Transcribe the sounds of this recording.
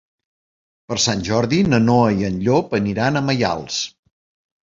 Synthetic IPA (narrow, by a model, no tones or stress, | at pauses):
pəɾsanʲʒɔɾðinənoəiənʎopəniɾanəməja̰lˠs